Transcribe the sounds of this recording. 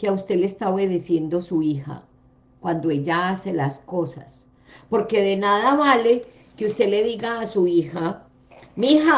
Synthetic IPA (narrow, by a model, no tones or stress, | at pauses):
keaust̪e̞lest̪ao̞βe̞ðesje̞nd̪o̞suixa̰ | kwand̪o̞eʝaase̞lasko̞sa̰s | po̞ɾke̞ðe̞naðaβale̞ | keust̪e̞le̞ðiɣaːsuixa | mha